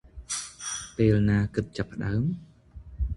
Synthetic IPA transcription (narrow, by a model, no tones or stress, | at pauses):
peːlnaːkɨt̪̚t͡ɕapːə̆ɗaəm